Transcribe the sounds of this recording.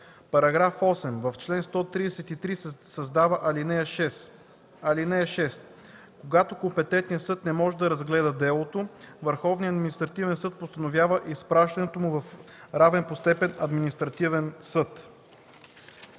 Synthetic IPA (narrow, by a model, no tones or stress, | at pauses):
pɐɾɐɡɾafɔsɛmvɐft͡ʃlɛnst̪ɔt̪ɾid̪ɛsɛt̪it̪ɾisɐzd̪avəʔɐlinɛjɐʃɛs | ɐlinɛəʃɛst̪ | koɡat̪okompɛt̪ɛnt̪nijəsɤt̪nɛmɔʒɛd̪ɐɾɐzɡlɛd̪əd̪ɛlˠot̪ovəɾxɔvniəɐd̪minist̪ɾɐt̪ivɛnsɤt̪̚post̪ɐnovʲjavəʔispɾaʃt̪ɐnɛt̪omʊvɐf | ɾavɛnpost̪ɛpɛnɐd̪minist̪ɾɐt̪ivɛnsɤt̪